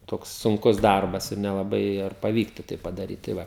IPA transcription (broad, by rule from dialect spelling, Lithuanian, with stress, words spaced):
ˈtoːks sʊŋˈkʊs ˈdɐrbɐs ɪr nʲɛlˠɐˈbɐɪ ɪr pɐˈʋʲiːktʊ tɐɪ pɐdɐˈrʲiːt tɐɪ ˈʋɐ